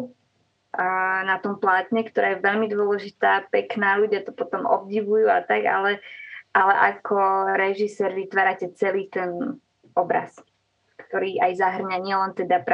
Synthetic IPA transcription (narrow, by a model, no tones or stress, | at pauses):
nat̪ɔmplaːt̪ɲɛkt̪ɔɾaːjɛʋɛʎmid̪ʊɔlɛʒit̪aːpɛknaːluɟɪjat̪ɔpɔt̪ɔmɔ̰b̚ɟiʋujuat̪aɡa̰lɛʔalɛʔakʰɔɾɛʒisɛːɾʋit̪ʋaːɾacɛt͡sɛliːt̪ɛn | ɔbɾa̰s | kt̪ɔɾiːʔajzaɦr̩ɲaɲɪɛlɛnt̪ɛd̪apɾ